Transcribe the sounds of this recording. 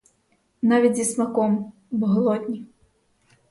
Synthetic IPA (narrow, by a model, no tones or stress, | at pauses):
navʲid͡zʲismakɔm | bɣlˠɔd̪ʲnʲi